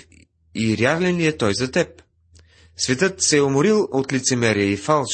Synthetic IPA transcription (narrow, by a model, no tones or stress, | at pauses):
iɾjaɾlɛniɛt̪ɔjzɐt̪ɛp̚ | svɛt̪ɤt̪sɛomoɾilˠot̪lit̪sɛmɛɾijəifalˠ